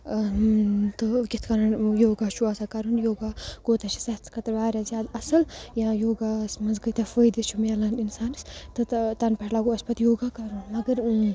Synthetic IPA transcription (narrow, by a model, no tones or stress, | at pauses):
t̪ɨkʲit̪ʰkɐɾɐnjoːɡaːt͡ʃʰuaːsakɐɾunjoːɡaːɡ̥oːt̪ɐt͡ʃʰi̥sɐt͡skʰɐt̪ɾbaːɾjaːzjaːd̪ɐsɐljãːjoːɡaːsmɐzɡəjt̪ɐfəjd̪it͡ʃʰumalaninsaːnst̪ɨt̪t̪ɐnpɐʈlaɡuɐsʲpɐt̪joːɡaːkɐɾunmɐɡəɾ